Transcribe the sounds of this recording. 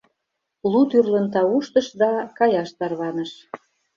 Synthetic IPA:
lut̪yrlə̆nt̪ɑuʃt̪ə̆ʃd̪ɑkɑjɑʃt̪ɑrβɑnə̆ʃ

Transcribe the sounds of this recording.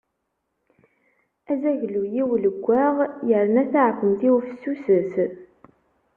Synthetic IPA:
æzæʝlujiwləɡʷːaʁjəɾənæθaʕəkʷːəmθiwufəsːusəθ

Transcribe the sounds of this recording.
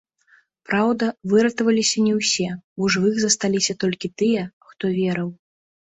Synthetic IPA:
pɾawd̪ɐvɨɾɐt̪ɐvɐlʲisʲɐnʲɛwsʲɛuʐɨvɨxzɐst̪alʲisʲɐt̪ɔlʲkʲit̪ɨjɛxt̪ɔvʲɛɾɐw

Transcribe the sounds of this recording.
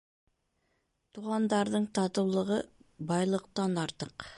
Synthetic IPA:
t̪uʁɑnd̪ɑɾðɤɴt̪ɑt̪ɤ̆wlˠɤ̆ʁɤbɑjlˠɤ̆q̚t̪ɑnɑɾt̪ɤq

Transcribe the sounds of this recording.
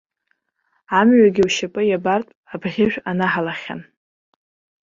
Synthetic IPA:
amɥaɡʲiwʃapʼɨjabartʼabʁʲɪʒᶣanaħalaχʲa̰n

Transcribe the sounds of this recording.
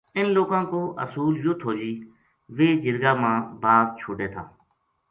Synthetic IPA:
ɪnloːkãːkoːʔə̰suːljoːt̪ʰoːd͡ʒiː | ʋeːd͡ʒɪɾɡaːmãːbaːzt͡ʃʰoːɖeːt̪ʰaː

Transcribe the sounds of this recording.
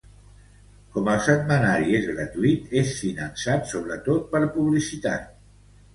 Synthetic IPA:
kɔməlˠsət̪mənaɾiezɣɾət̪uit̪esfinənsat̪soβ̞ɾət̪ot̪̚pəɾpuβlisit̪a̰t̪

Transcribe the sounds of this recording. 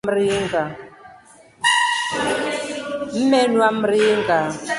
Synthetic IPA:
mɾiŋɡa | m̩mɛnwam̩ɾiŋɡa

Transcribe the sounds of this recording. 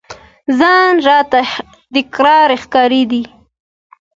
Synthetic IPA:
zɑnʒɑt̪a | t̪ɪkɾɑɾɪxkɑɾid̪i

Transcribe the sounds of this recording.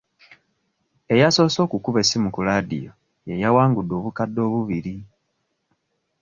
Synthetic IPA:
e̞jaso̞ːso̞ːkukuβe̞simukulaːdḭjo̞ | je̞jawaːŋɡudːo̞ːβukadːo̞ːβuβiɾi

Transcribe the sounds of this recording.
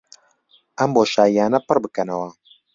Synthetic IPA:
ʔɐmboːʃaːiaːnɐpɨrbɨkɐnɐwɐ

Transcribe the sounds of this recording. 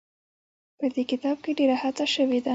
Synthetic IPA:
pəd̪ekɪt̪ɑb̚keɖeɾahat͡saʃəwed̪a

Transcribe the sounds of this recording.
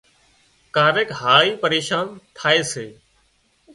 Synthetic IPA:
kaːɾeːkɦaːiːpəɾeːʃaːnt̪ʰaːeːseː

